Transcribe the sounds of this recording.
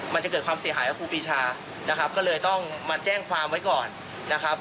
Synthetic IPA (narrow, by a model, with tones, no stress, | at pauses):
ma˧nt͡ɕa˨˩kɤː˨˩t̪̚kʰwaː˧msi˨˩˦ɦaː˩˦jʔa˨˩kʰuː˧piː˧t͡ɕʰaː˧ | na˦˥kʰa˦˥p̚kɔː˥˩lɤː˧jt̪ɔ˥˩ŋma˧t͡ɕɛː˥˩ŋkʰwaː˧mwa˦˥jkɔː˨˩nː | a˦˥kʰa˦˥p̚